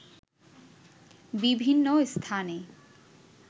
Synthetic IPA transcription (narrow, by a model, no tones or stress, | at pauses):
bibʱinːost̪ʰane